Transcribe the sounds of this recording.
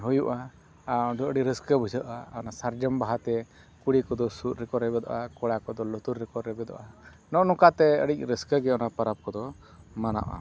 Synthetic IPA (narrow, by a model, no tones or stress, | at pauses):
ɦujuʔa | ad̪ɔəɽiɾəskəbʱud͡ʒəʔ̪ʔaɔnasaɾd͡ʒəmbaɦat̪ɛ | kuɽikɔd̪ɔsut̪̚ɾɛkɔɾɾɛbɛd̪ɔ̰ʔakɔɽakɔd̪ɔlɔt̪uɾːɛkɔɾːɛbɛd̪ɔ̰ʔa | nɔʔnɔkat̪ɛə̰ɽic̚ɾəskəɡɛɔnapaɾap̚kɔd̪ɔ | mana̰ʔʔa̰